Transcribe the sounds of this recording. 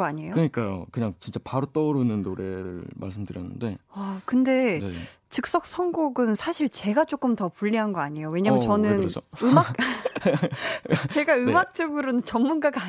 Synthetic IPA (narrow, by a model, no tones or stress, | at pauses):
aɲejokɯɲik͈ajo̰kɯɲaŋt͡ɕint͡ɕ͈apaɾot͈ʌuɾɯnɯnːoɾe̞ɾɯ̰ɭma̰ɭs̬͈ɯmdɯɾjʌnːɯ̰nde̞ʌkɯnde̞ne | t͡ɕɯk̚s͈ʌk̚s͈ʰʌŋɡoɡɯnsʰaɕʰiɭt͡ɕe̞ɡat͡ɕ͈ok͈ɯmtʌpuʎːiɦanɡʌaɲejowe̞ɲaːmjʌt͡ɕʌnɯnɾd͡ʑoɯmak | t͡ɕe̞ɡaɯmak̚t͡ɕ͈ʌɡɯɾonɯnt͡ɕʌmmːunɡaɡaː